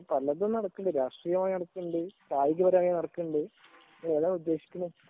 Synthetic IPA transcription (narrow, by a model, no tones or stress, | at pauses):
pɐlːɐðonːɐɽɐkːuɳɖɨɾaːʂrijɐmaːjnɐɽɐkːuɳɖɨt̪aːjikʲːɐbɐɾɐmaːjinɐɽɐkːuɳɖɨ | eːðaːud̪ːe̞ːɕi̥kʲːunu